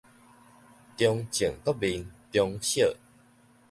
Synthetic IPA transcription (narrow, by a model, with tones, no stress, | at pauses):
t̪jɔ˧ŋt͡ɕə˨˩ŋkɔ˦bi˧nt̪jɔ˧ŋɕjə˥˨